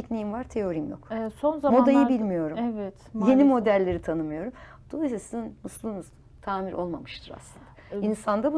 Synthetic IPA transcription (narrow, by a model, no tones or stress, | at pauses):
icnejimvaɾt̪ʰe̞o̞ɾimjo̞̰ksonzamod̪ajjɯbilʲmijo̞ɾumɛvɛt̪je̞nimo̞d̪ælʲːe̞ɾit̪ʰanɯmɯjo̞ɾum | d̪̥o̞lˠajsasizinmuslˠuːnuz | t̪ʰaːmiɾʔo̞lˠmamɯʃt̪ʰɯɾa̰slˠɯnd̪a | insand̪abu